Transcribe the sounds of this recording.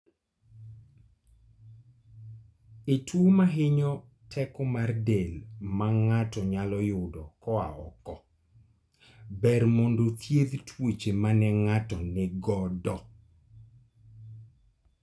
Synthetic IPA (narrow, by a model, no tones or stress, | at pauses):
etwomaɦɪɲɔ | tʰɛkɔmardelmaŋatɔɲalɔjʊdɔkɔa̰ɔ̰kɔ | bɛrmondot̪jed̪tʰwet͡ʃemanɛŋatɔnɪɡɔdɔ